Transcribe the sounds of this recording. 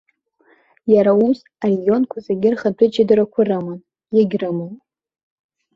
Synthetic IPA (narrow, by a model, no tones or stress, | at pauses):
jaɾaumz | arejo̞nkʷʰazaɡʲɪrχadʷʊd͡ʒadɨɾakʷʰʊrɨman | jaɡʲrɨmɨn